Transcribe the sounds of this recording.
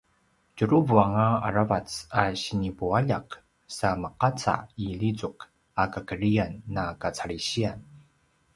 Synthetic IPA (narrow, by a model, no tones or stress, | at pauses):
cuɾuvuaŋaa̰ɾavat͡saɕinipuaʎak | saməqat͡sa̰ilit͡suk | akakəɾianːakat͡saɭiɕian